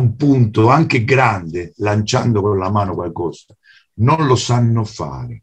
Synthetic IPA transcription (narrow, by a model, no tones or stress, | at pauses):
mpunt̪ʊaŋk̟ɪɡɾand̪ɪlant͡ʃa̰nd̪ʊkʊllamaːnʊkwalkɔsa | nʊnlʊsanːʊfa̰ːɾɪ